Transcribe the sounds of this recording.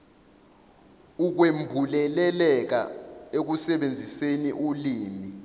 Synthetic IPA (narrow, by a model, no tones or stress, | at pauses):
uk̬wembʱulɛlɛlɛk̬a̰ek̬usɛɓend͡zʱiseniʔuliːni